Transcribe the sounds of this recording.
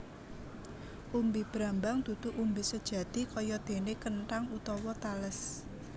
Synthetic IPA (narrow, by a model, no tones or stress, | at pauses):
ʔumbib̥ɾambaŋd̪̥ṳt̪uʔumbisəd̥ʒ̥ä̤d̪̥i̤kɔjɔd̪̥e̤nekənʈaŋut̪ɔwɔt̪aləs